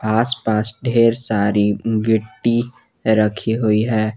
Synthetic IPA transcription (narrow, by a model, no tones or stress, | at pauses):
aːspaːsɖʱeːɾsaːɾiɡɪʈːi | ɾəkʰiɦoiɦɛː